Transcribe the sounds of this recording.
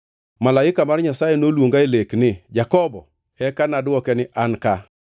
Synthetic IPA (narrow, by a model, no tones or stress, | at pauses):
malaɪkamarɲasajɛnolwoŋɡaeleknɪd͡ʒakɔbɔ | ɛkanadɔkɛnɪʔanka